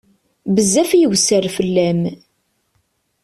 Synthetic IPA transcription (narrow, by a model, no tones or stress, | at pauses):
bəzːæfjəwsəɾfəlːæm